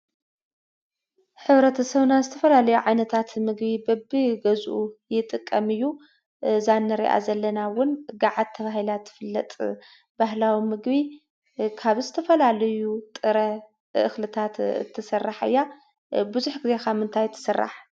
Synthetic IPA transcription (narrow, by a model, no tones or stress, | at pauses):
ħɨβɾɐt̪ʰɐsɐβnazɨt̪ʰɐfɐlalɐjuʕajnɐt̪ʰat̪mɨɡbibɐbiɡɐzʔujɪt̪ʼɨkʼːɐmɨjːu | zanːɐɾḭʔa̰zɐlːɐnawʊnɡaʕad̪̚t̪ʰːɐβahilat̪ːfɨlːɐt̪ʼ | baɦlawimɨɡβi | kʰaβzɨt̪ʰɐfɐlalɐjut̪ʼɨɾɐ | ʔɨ̰xlɨt̪ʰat̪ɨ̰t̪ʰːɨsɐrːaħɨ̰jːa | buzuħɡɨze̞kamɨnt̪ʰajt̪ʰːɨ̥sɨrːa̰ħ